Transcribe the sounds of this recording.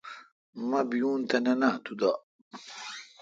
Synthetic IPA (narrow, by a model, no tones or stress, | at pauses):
mɐbijuːnt̪ɐnɐnat̪ud̪a